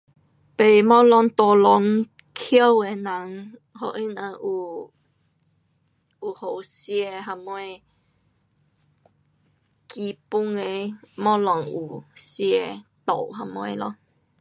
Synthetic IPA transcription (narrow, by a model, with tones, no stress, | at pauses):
pe˨˩mɔ̃˦lɔ˧ŋt̪ɔ˨˧lɔ˧˦ŋ | kʰə˦we˧nã˨˦ŋ | hɔ˨˩ʔi˦nə˧ʔu˨˩ | u˨˩ho˨˩˨sje˧ɦa˧mwe˧ | ki˧pu˦ŋe˧mɔ̃˦lɔ˨˧˨ŋu˨˩sje˧t̪o˨˩˨wɦa˧mwḛ̃˧˦lɔ̰˧ŋ